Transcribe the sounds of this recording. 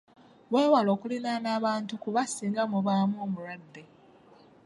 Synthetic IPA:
weːwalo̞ːkulinanaːβaːntukuβasiːŋɡamuβamuoːmuɾwadːe̞

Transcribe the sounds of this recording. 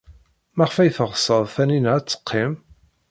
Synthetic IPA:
mæʁfæjθəʁsˤəðˤθænint͡sːə̥qʰːim

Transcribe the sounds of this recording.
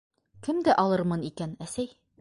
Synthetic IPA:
kɘmd̪æʔɒlˠɤɾmɤnikænæsæj

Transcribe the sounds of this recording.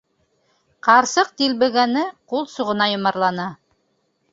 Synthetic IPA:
qɑɾsɤq̚t̪ilbɘ̆ɡænɘqulˠsuʁɤ̆nɑjŏmɑɾlˠɑnɑ

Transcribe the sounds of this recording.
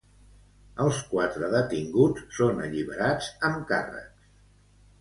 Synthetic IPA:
əlˠskwat̪ɾəðət̪iŋɡut͡ssonəʎiβəɾad͡zəmka̰rə̰ks

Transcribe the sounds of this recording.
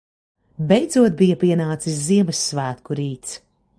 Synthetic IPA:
bɛjd̪zuɔt̪̚bijɐpiɛnaːt̪sis̬ziɛmɨsːvæːt̪kuɾiːt̪s

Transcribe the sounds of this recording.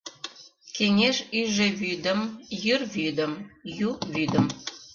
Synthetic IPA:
keŋʲeʒyʒeβyd̪ə̆mjyrβyd̪ə̆mjuβyd̪ə̆m

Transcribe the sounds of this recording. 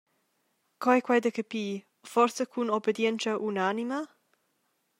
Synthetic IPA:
kʰajkʰwajd̪əkəpiː | fɔɾsəkʰunɔbəd̪jɛntaʔunanima

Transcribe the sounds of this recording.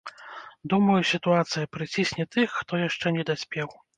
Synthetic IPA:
d̪umɐjusʲit̪uat̪sɨjɐpɾɨt͡sʲisʲnʲɛt̪ɨxːt̪ɔjaʂt͡ʂɛnʲɛd̪asʲpʲɛw

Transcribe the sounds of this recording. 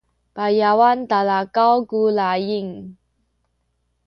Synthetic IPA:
pajawant̪alakawkulajiŋ

